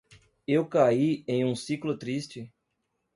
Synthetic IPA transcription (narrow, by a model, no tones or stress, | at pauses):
ewkaiẽj̃ũsiklʊt̪ɾist͡ʃɪ